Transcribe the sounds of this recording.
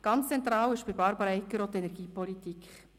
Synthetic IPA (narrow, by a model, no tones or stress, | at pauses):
ɡ̥ɑnt͡st͡sɛnt̪ɾɑːwɪʃb̥ɪɾbɑɾbəɾəɛkːəɾɔt̪ɛnɛɾɡ̥iːpɔlit̪ikχ